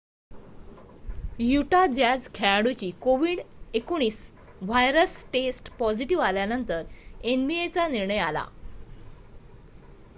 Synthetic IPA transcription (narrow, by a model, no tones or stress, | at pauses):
juʈad͡ʑad͡zkʰɛɭaɽut͡ɕiːkoʋiːɽekuɳɽ̃iːs | ʋajɾəsʈesʈpɔd͡ʑiʈiʋaljanənt̪əɾenbiet͡saniɾɳəjala̰